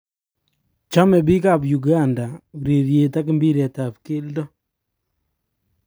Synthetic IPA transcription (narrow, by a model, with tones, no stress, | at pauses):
t͡ʃa˦mɛ˨bi˦ka˦˨bju˨ɡa˦˨nda˨ɾi˨ɾje˨ta˦k̬ɪ˦mbi˦ɾɛ˨ta˨pke˦ldɔ˦